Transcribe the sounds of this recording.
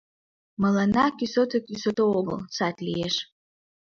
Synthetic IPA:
malanakʲʼisotʰokʲʼisotʰooɡə̰lsatʰʼlʲijeʂ

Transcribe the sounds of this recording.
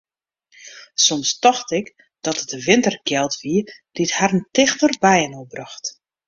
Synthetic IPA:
sɔmstɔxtɪk | d̥ɔtətəʋɪntərɡjɛlˠtʋiəd̥ithaɾəntɪxtərbɛjənobrɑxt

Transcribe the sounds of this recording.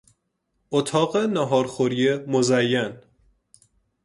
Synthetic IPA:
ot̪ʰɒːɣenæɦɒːɾxoɾijemozæjːæn

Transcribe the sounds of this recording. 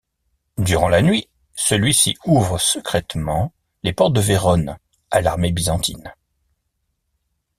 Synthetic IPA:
d̪yʁɑ̃lanɥi | səlɥisḭuvʁəsəkχɛt̪mɑ̃ | lepɔʁt̪̚d̪əveʁɔn | alaʁmebizɑ̃t̪ʰḭn

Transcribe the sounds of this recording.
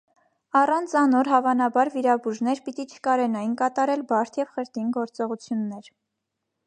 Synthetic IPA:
ɑrɑnt͡sʰɑnɔɾɦɑvɑnɑbɑɾviɾɑbuʒnɛɾpit̪it͡ʃʰə̥kɑɾɛnɑjnkɑt̪ɑɾɛlbɑɾt̪ʰjɛvχəɾt̪inɡɔɾt͡sɔʁut͡sʰjunːɛɾ

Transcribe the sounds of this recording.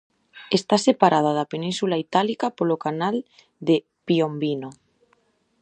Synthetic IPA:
est̪asepaɾað̞aðapenĩnsulait̪alikapolokanal | d̪e | piombino

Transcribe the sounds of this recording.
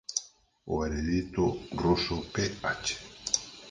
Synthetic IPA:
o̰eɾeðit̪oɡɾosopeat͡ʃe̥

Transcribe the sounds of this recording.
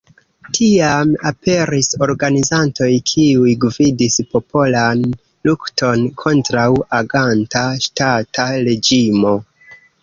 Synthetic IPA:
tʰiamape̞ɾiso̞ɾɡanizanto̞jkʰiujɡvidispo̞pʰo̞lan | lukto̞nkʰo̞ntɾawaɡantaʃtataɾe̞d͡ʒimo̞

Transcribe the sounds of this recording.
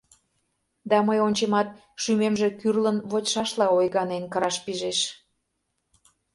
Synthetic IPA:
d̪ɑməjonʲt͡ɕemɑt̪̚ | ʃymemʒĕkyrlənβotʲʃɑʃlɑojɣɑnenkəɾɑʃpiʒeʃ

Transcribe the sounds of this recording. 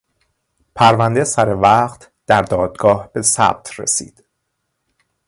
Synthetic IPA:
pʰæɾvænd̪esæɾevæːqt̪ʰ | d̪̥æɾd̪ɒːd̪̥ɡɒːhb̥e̞sæ̰b̥̚t̪ʰrḛsḭːd̪̥

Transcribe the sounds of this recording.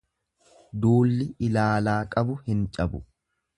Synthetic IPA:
d̪uːlːɪʔɪlaːlaːkʼɐbʊhɪnt͡ʃʼɐbʊ

